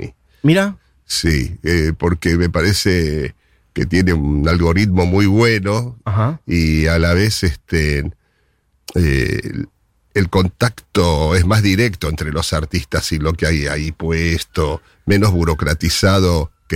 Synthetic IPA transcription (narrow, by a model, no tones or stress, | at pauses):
ḭ | miɾa | siepo̞ɾkeme̞paɾese | ket̪je̞neunalɣo̞ɾit̪̚mo̞mujβwe̞no̞aɦaialaβ̞e̞sest̪e | e | elko̞nt̪akt̪oezmazðiɾek̚t̪o̞ent̪ɾe̞lo̞saɾt̪ist̪asilo̞keajaipwest̪o | me̞no̞zβuɾo̞kɾat̪isað̞oke